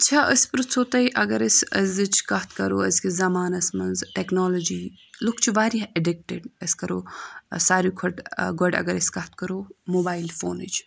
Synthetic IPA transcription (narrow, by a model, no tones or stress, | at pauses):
t͡ʃʰaəspɾt͡sʰot̪ɐiʔɐɡɐɾɐsɐzɨt͡ʃʰkɐt̪kɐɾoːɐskizɐmaːnɐsmɐnzʈeknoːlod͡ʒiː | lukt͡ʃʰiʋaːɾiɦɐɖik̚ʈeɖɐsʲkɐɾoːsaːɾikʰɐʈɡɐɖɐ̰ɡɐɾɐsʲkɐt̪kɐɾoːmoːbaːilfo̰ːnit͡ʃ